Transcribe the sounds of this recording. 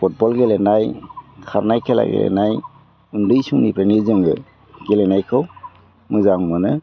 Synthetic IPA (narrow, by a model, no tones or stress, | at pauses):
put̚bɔlɡɛlɛnajkʰaɾnajkʰɛla̰ɡɛ̰lɛ̰naj | undɯjsuŋnipɾɛnizɯŋɡɛ̰ | ɡɛlɛnajkʰɔw | mʊjzaŋmɯnɯ